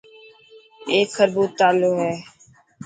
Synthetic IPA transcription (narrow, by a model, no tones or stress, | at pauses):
eːkʰːəɾbuːt̪aːloːɦɛː